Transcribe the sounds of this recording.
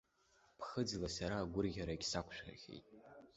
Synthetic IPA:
pʰχəd͡zlasaɾaːɡʷʊrɣʲaɾaiɡʲsakʷʰʃʷᶣa̰rɣʲḛjtʼ

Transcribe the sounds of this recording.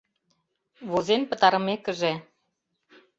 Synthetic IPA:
βozenpə̆t̪ɑɾə̆mekə̆ʒe

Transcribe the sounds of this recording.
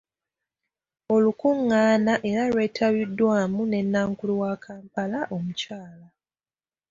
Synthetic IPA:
o̞lukuŋːaːnaʔe̞ɾalwe̞ːtʰaβidːwaːmune̞nːaːŋkuluwakʰaːmpalaʔo̞mucaːla

